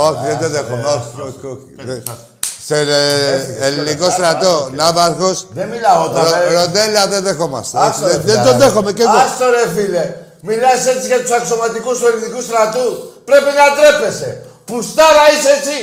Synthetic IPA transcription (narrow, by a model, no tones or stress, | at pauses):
okðed̪eðexono | e | seleelnikost̪ɾat̪onaβaɾɣosd̪emilaot̪aoɾod̪elaðeðexoma̰seed̪ed̪od̪exomekeðost̪oɾeθile | milaset͡sikat̪usaksomat̪ikuselnikust̪ɾat̪upɾepenat̪ɾepesḛpust̪aɾaiset͡si